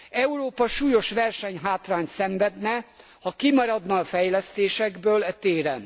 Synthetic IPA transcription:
ɛuɾoːpɒʃuːjo̞ʃʋɛrʃɛɲɦaːt̪raːɲt̪sɛɱvɛd̪nɛ | hɒkimɒɾɒd̪nɒːfɛjlɛst̪eːʃɛɡbøːlɛt̪eːɾɛn

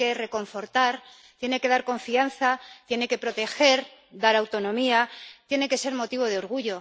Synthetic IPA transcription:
e̞re̞ko̞ɱfo̞ɾt̪aɾ | t̪je̞ne̞ke̞ð̞aɾko̞ɱfianθat̪je̞ne̞ke̞pɾo̞t̪e̞xe̞ɾd̪aɾawt̪o̞nõ̞miat̪je̞ne̞ke̞se̞ɾmo̞t̪iβo̞ð̞eo̞ɾɣ̞uʝo̞

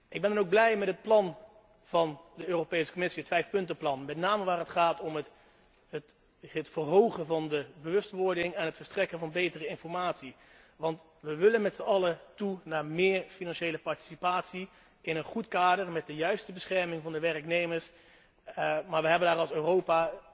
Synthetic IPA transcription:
ʔɪɡbɛndɑnowɡ̚blɛjmɛtɦət̚plɑn | v̥ɑndəøːropejsə̥komɪsiətfɛjfpɵntəplɑnmɛtnaːməʋaːrɦətχaːtɔmət | ət | ətfərɦowχənvɑndəbəʋɵstʋɔɹdɪŋɛnɦətfəɹstrɛkənvɑnbejtərəɪnfɔɹmaːtsi | ʋɑnt | ʋəʋɪlənmɛtsəɑlətunaːɹmɪːɹfinɑnʃejləpɑɹti̥sipaːtsi | ɪnənχutkaːdəɹmɛt̚dəjœɥstəbəsχɛɹmɪŋvɑndəʋɛrknejməɹs | maːɹʋəɦɛbəndaːɾɑlˠsøːrowpa

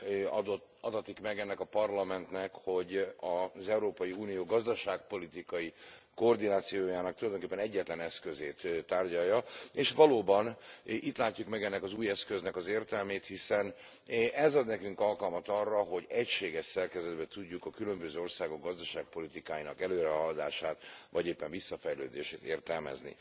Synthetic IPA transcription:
ɒd̪ɒt̪ikmɛɡɛnːɛkɒpɒrlɒmɛnt̪nɛkho̞ɟɒzɛuɾoːpɒjiuːnijoːɡɒzd̪ɒʃaːk̚po̞lit̪ikɒjiko̞ːrd̪inaːt̪sijoːjaːnɒk̚t̪ulɒjd̪oŋkepːɛnɛɟːɛt̪lɛnɛskø̞zeːt̪t̪ːaːrɟɒjːɒeːʃʋɒloːbɒnit̪laːcːukmɛɡɛnːɛkɒzuːjɛskø̞znɛkɒzeːrt̪ɛlmeːt̪hisɛn | ʔɛzɒd̪nɛkyŋkɒlkɒlmɒt̪ɒrːɒɦo̞ɟɛcʃeːɡɛʃsɛrkɛzɛd̪bɛt̪uɟːukɒkylø̞mbøzøːo̞rsaːɡo̞ɡɡɒzd̪ɒʃaːk̚po̞lit̪ikaːjinɒkɛløːɾɛɦɒld̪a̰ːʃaːt̪ʋɒɟeːpːɛɱvisːɒfɛjlø̰ːd̪eːʃḛːt̪ḛːrt̪ɛlmɛ̰znḭ

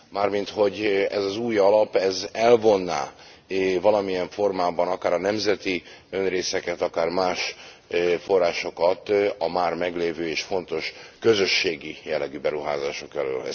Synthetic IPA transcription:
maːrmint̪ho̞ɟɛ̰zɒzuːjɒlɒpɛzɛlvo̞nːa̰ː | vɒlɒmijɛɱfo̞rmaːbɒnɒkaːɾɒnɛmzɛt̪iønreːsɛkɛt̪ɒkaːrmaːʃ | fo̞rːaːʃo̞kɒt̪ɒmaːrmɛɡleːvøːeːʃfo̞nt̪o̞ʃkø̞zø̞ʃːeːɡijɛlːɛɡyːbɛɾuɦa̰ːzaːʃo̞kɛlø̰ːlɛ̰

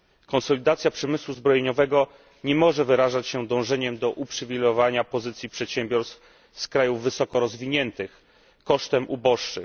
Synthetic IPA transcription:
kɔ̃nsɔlʲid̪at̪sʲjapʂɛmɘswuzbɾɔjeɲɔvɛɡɔ | ɲɛmɔʐɛvɘɾaʐat͡ɕɕɛd̪ɔ̃w̃ʐɛɲɛmd̪ɔʔupʂɘvʲilɔvaɲapɔzɘt̪sʲjipʂɛt̪ɕɛmbʲjɔɾst̪f | skɾajuvːɘsɔkɔɾɔzvʲiɲɛnt̪ɘx | kɔʂt̪ɛmʔubɔʂt͡ʂːɘ

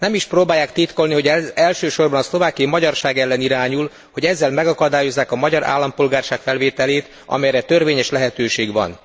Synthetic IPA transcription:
nɛmiʃproːbaːjːaːkt̪it̪ko̞lniɦo̞ɟɛɛlʃøːʃo̞rbɒnɒslo̞vaːkijimɒɟɒrʃaːɡɛlːɛniɾaːɲul | ho̞ɟɛzːɛlmɛɡɒkɒd̪aːjo̞zːaːkɒmɒɟɒɾa̰ːlːɒmpolɡaːrʃaːkfɛlveːt̪ɛleːt̪ | ɒ̰mɛjɾɛt̪ørveːɲɛʃlɛɦɛt̪øːʃeːɡʋɒ̰n

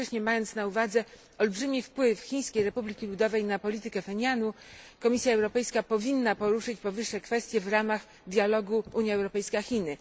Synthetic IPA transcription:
ɛɕɲɛmajɔnt̪snauvad̪zɛ | ɔlbʐɘmʲifpwɘfxʲĩj̃skʲejɾɛpublʲikʲilud̪ɔvɛjnapɔlʲit̪ɘkɛfɛɲanukɔmʲisʲjaɛwɾɔpɛjskapɔvʲinːapɔɾuʂɘt͡ɕpɔvɘʂːɛkfɛst̪ʲjɛvɾamax | d̪ʲjalɔɡuuɲjaɛwɾɔpɛjskaxʲinɘ

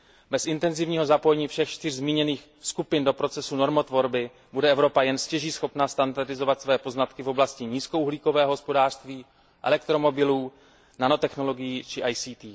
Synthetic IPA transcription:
bɛsɪnt̪ɛnzɪvɲiːɦo̞zapo̞jɛɲiːfʃɛxt͡ʃt̪ɪr̝zmiːɲɛniːx | skupɪndo̞pɾo̞t͡sɛsuno̞ɾmot̪vo̞ɾbɪ | budɛʔɛvɾo̞pajɛnscɛʒiːsxo̞pnast̪andardɪzo̞vat̪svɛːpo̞znat̪kɪvo̞blascɪɲiːskouɦliːko̞vɛːɦɦospo̞daːr̥st̪viː | ʔɛ̰lɛk̚t̪ɾo̞mo̞bɪluː | nanot̪ɛxno̞lo̞ɡɪjiːt͡ʃɪʔajsiːt̪iː

